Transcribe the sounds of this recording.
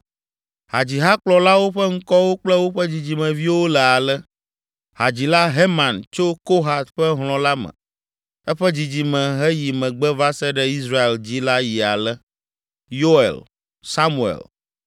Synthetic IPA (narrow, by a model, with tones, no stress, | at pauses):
ha˨d͡ʑi˨ɦa˦k͡plɔ˨la˦wo˦ɸɛ˦ŋ̩˦kɔ˦wo˦k͡plɛ˦wo˦ɸɛ˦d͡ʑi˨d͡ʑi˨mɛ̃˨vi˦wo˦lɛ˨a˨lɛ˦ | ha˨d͡ʑi˨la˦ɦe˦mã˨nt͡ʃo˦ko˦ɦa˨t̪ɸɛ˦ɦl̃ɔ̃˨la˦mɛ̰̃˨ | ɛ˦ɸɛ˦d͡ʑi˨d͡ʑi˨mɛ̃˨ɦɛ˦ji˨mɛ̃˨ɡ͡bɛ˦va˦sɛ˦ɖɛ˦i˦sɾa˦e˨ld͡ʑi˦la˦ji˨a̰˨lɛ˦ | jo˦ḛ˨l | sa˦mu˦ḛ˨l